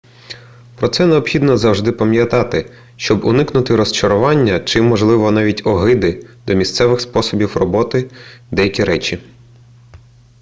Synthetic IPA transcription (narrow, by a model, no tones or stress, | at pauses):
pɾɔt̪sɛneɔbxʲid̪nɔzɐwʒd̪ɪpɐmʲjɐt̪ɑt̪ɪ | ʃt͡ʃɔbʊnɪknʊt̪ɪɾɔst͡ʃɐɾʊʋɑnʲːɐt͡ʃɪmːɔʒlˠɪʋɔnɑʋʲitʲɔɦɪd̪ɪd̪ɔmʲist̪sɛʋɪxspɔsɔbʲiwrɔbɔt̪ɪd̪ɛjɐkʲiɾɛt͡ʃʲi